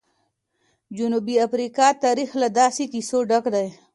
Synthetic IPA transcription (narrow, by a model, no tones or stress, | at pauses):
d͡ʒunubiafɾikɑt̪aɾixlad̪ɑsikisoɖakd̪aj